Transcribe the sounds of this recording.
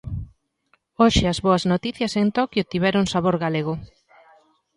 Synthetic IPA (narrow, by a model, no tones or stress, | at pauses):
oʃɪɐzβoɐznot̪iθjɐsent̪ɔkjot̪iβɛɾʊŋsaβoɾɣaleɣ̞ʊ